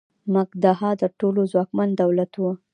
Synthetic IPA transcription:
makd̪aɦɑd̪əʈolozwɑkmand̪awlat̪wu

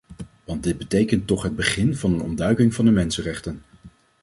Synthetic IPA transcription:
ʋɑnd̚dɪd̚bətejkəntɔχɦəd̚bəχɪnvɑnənɔ̰ndœɥkɪŋvɑndəmɛnsənrɛχtən

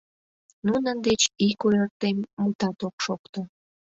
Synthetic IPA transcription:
nunənd̪et͡ɕikojərt̪emːut̪ɑt̪okʃokt̪o

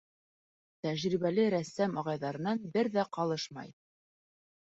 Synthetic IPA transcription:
t̪æʒɾiβælɘɾæsæmɑʁɑjðɑɾɤ̆nɑnbɘɾðæqɑlˠɤʃmɑ̰j

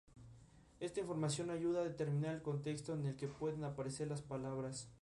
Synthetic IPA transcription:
e̞st̪ainfo̞ɾmasjo̞naʝuðaðe̞t̪e̞ɾmĩnaɾelko̞nt̪e̞kst̪o̞ene̞lke̞pwe̞ðe̞napaɾese̞ɾlaspalaβ̞ɾas

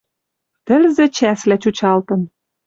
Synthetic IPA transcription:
t̪ɘ̆lzĕt͡ɕæslæt͡ɕut͡ɕɑlt̪ɤ̆n

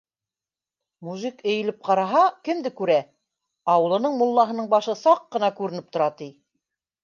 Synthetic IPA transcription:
muʒikɘ̆jɘ̆lɘp̚qɑɾɑɦɑkɘ̆md̪ɘkʉɾæ | ɑwɤ̆lˠɤ̆nɤɴmulˠːɑɦɤ̆nɤɴbɑʃɤsɑqːɤ̆nɑkʉɾɘ̆nɘp̚t̪ŏɾɑt̪i

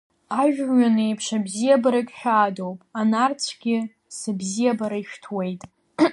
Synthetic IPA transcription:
aʒᶣɥanejpʰʂabzijabaɾakʲʼħᶣaːdowpʼanart͡sʷʰɡ̥ʲɪ | sɨbzijabaɾaiʃᶣtʰwe̞jtʼ

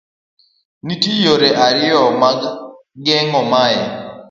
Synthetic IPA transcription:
nitijoɾɛʔaɾɪɔma | ɡɛŋɔmajɛ

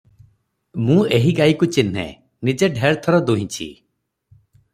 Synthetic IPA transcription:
mũeɦiɡaikut͡ʃinɦɛ̰ | nid͡ʒeɖʱeɾt̪ʰɔɾɔd̪uɦĩt͡ʃʰḭ

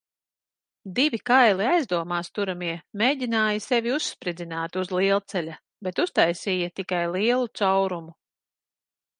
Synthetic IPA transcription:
d̪ivʲikajliajzd̪uɔmaːst̪uɾamiɛmeːɟʲinaːjasɛviusːpɾid̪zʲinaːt̪uzlˠiɛlˠt̪sɛlʲa | bɛt̪ust̪ajsiːjat̪ikajlˠiɛlˠut̪sawɾumu

